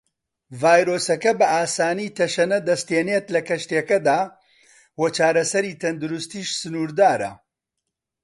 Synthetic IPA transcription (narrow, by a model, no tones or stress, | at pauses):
vaːjɾoːsɐkɐbɐʔaːsaːniːt̪ʰɐʃɐnɐd̪ɐst̪eːnet̪lɐkɐʃt̪ekɐd̪aː | wɐt͡ʃaːɾɐsɐɾiːt̪ʰɐnd̪uɾust̪iːʃsɨnuːɾd̪aːɾɐ̰